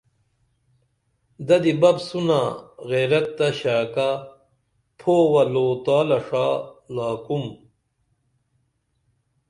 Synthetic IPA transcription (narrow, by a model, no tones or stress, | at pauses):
d̪ɐd̪ibɐbsunaɣeɾɐt̪ːɐɕaːka | pʰoːwɐloːt̪aːlɐʂaːlaːkum